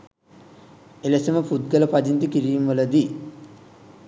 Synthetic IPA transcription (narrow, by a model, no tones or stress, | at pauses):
elɐsɐmɐpud̪̚ɡɐlɐpad͡ʒint̪ikiɾijmʋɐlɐd̪i